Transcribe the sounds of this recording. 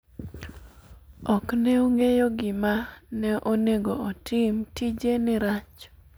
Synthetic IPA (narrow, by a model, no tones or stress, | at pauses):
ɔknɛoŋejoɡɪmanɛʔoneɡoɔtʰɪmtid͡ʒenɪɾat͡ʃ